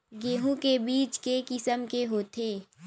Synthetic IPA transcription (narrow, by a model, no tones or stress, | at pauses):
ɡeːɦũkebiːt͡ʃkekɪsəmkeɦoːt̪ʰeː